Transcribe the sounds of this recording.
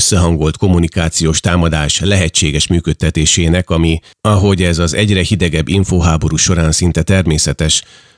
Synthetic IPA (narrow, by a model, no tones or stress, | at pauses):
sːɛɦɒŋɡo̞lt̪ko̞munikaːt̪sijoːʃt̪aːmɒd̪aːʃlɛɦɛt͡ʃːeːɡɛʃmyːkøt̪ːɛt̪eːʃeːnɛkɒmi | ɒɦo̞ɟɛzɒzɛɟrɛhid̪ɛɡɛbːiɱfoːɦaːbo̞ɾuːʃo̞ɾaːnsin̪t̪ɛt̪ɛrmeːsɛt̪ɛʃ